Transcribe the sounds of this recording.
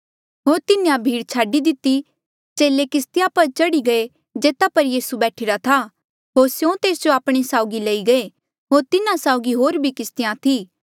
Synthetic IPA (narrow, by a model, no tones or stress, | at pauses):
ɦoːɾt̪ɪnejãbʱiːɽt͡ʃʰaːɖid̪ɪt̪ːi | t͡ʃeːlekɪst̪ɪjãpɐɾt͡ʃɐɽiɡɐe | d͡ʒeːt̪apɐɾjiːsubɛːʈʰɪːɾat̪ʰaː | ɦoːɾsjõt̪eːsd͡ʒoaːpɽ̃esaːʊɡilɐiɡɐe | ɦoːɾt̪ɪnãsaʊɡiɦoːɾbʱikɪst̪ɪjãt̪ʰiː